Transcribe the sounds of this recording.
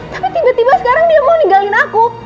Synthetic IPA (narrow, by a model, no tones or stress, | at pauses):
t̪ḁpit̪ibat̪ibasə̥kaɾaŋdiamaniŋɡalɪnaku